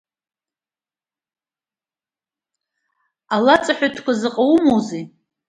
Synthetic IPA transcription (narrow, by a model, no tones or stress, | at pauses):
alat͡sʼaħʷᶣatʰkʷazɨqʼawmowzi